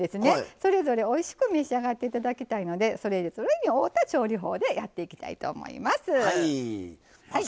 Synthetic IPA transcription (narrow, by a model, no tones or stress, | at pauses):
d̪e̞sɨne̞so̞ɾe̞zo̞ɾe̞o̞iɕi̥kɯ̟mʲeɕiaɡat̪ːe̞it̪ad̪akʲit̪aino̞d̪e̞so̞ɾe̞id̪esoɾeiɲʲioːt̪at͡ɕo̞ːɾʲiɦo̞̰ːd̪e̞jat̪ːe̞ikʲi̥t̪a̰ḭt̪o̞̰ːmo̞̰ḭmasɨ